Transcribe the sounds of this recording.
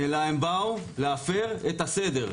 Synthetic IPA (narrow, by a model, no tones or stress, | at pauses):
elaembau | leafeʁet̪ase̞d̪e̞ʁ